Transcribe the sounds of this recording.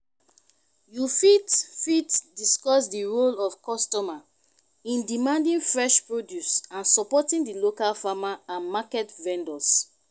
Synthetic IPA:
jufitfitdiskɔsdiɹolɔfkɔstɔma | ĩndimãndĩnfɹɛʃpɹodjusãnsɔpɔtĩndilokalfamaãnmakɛtvɛ̃ndɔs

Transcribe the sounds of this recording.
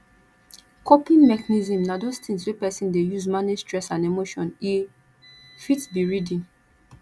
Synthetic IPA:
kʰɔpĩnmɛkanizĩmnadostĩnswepɛsĩndejuzmanestɹɛsãnemoʃɔ̃ni | fitbiɹidĩn

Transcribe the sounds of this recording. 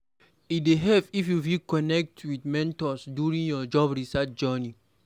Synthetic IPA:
ideɦɛpifjufikɔnɛk̚tʰwidmɛ̃ntɔsdjuɹĩnjɔd͡ʒɔbɹisat̚d͡ʒɛni

